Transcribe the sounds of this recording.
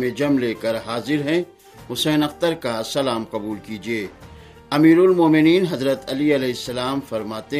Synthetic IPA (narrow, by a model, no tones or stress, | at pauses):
mẽd͡ʒɐmleːkɐɾɦaːzɪɾɦɛ̃ | hʊsɛːnɐqt̪əɾkasɐlaːmqɐbuːlkid͡ʒieː | ɐmiːɾʊlmoːmɪniːnɦɐzɾət̪ɐliɐlɛɦɪsːɐlaːmfɐɾmaːt̪e